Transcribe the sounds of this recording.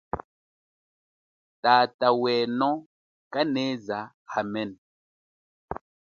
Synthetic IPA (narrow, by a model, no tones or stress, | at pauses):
tatawɛːnɔ | kaneza | hamɛn